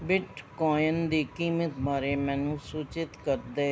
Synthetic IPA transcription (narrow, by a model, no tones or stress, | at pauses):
bɪʈkɔːjənd̪eːkiːmət̪maːɾeːmɛ̃ːnũːsuːt͡ʃɪt̪kəɾd̪eː